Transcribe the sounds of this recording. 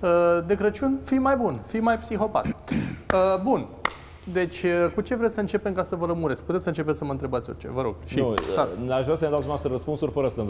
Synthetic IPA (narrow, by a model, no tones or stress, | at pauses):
əd̪e̞kɾət͡ʃunfimajbunfijmajpsixo̞pa̰t̪əbun | d̪e̞t͡ʃʲəkut͡ʃe̞vɾesʲsəɨnt͡ʃe̞pemkasəvələmuɾetsʲkput̪esəɨnt͡ʃe̞p̬esəməɨnt̪ɾe̞bat̪sʲort͡ʃḛvəɾo̞ɡ̥̚ʃiusaaʃvɾasəned̪at̪umast̪ɾrəspunsuɾʲfəɾəsənt̪